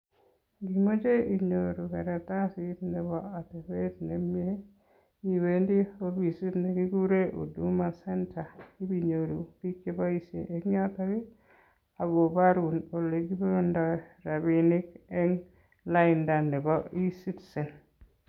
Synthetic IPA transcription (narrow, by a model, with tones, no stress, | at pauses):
ɡi˨mo˦d͡ʒe˦i˨ɲo˨ɾu˨kɛ˨ɾa˨ta˦si˦tnɛ˨bɔ˦a˨te˨be˦tne˨mje˦ | i˨we˨˦ndi˦o˦bi˨si˦tne˨ɡi˦ɡu˦ɾe˦ʔo̰˨du˦ma˨sɛ˦nta˨i˦bi˨ɲo˨ɾu˨ki˦ke˦ba˦i˦sje˨ʔe˨kɲɔ˦ta˦ɡɪ˦ | a˨bo˨ba˦ɾu˨no˨le˨ɡi˦bɾo˦ndɔ˨ɾa˨bi˨nɪ˦kɛ˦ŋ | la˦ɪ˨nda˨nːɛ˨bɔ˦i˦si˦tsɛ˨n